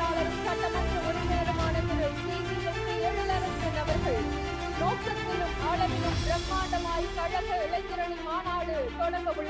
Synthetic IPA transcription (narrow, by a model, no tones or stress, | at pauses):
aːlɐɾɯmsɐʈːɐmɐnɾɯɔɾɯmeːɽɯmaːnɐnɐɾɯt̪iːsimɐkiɛɻɯlɐɾɐnd̪ɯnɐʋɐɾɣɐɭ | noːʈːɐt̪ːɪlɯmaːɭɐʋɪlɯmɾɐmːaːɳɖɐmaːjkɐɻɐɣɐɪɭɐɪt̪ːɯɾɐɳimaːnaːɽɯt̪ɔɽɐŋɡɐʋɯɭːɐ